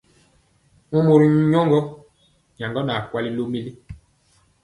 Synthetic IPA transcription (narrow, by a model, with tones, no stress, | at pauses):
mɔ̃˦mo˨ɾi˨ɲ˦ɲɔ˦ŋɡɔ˦ | ɲa˨ŋɡɔ˦na˨kwa˦li˦lo˦mi˦li˦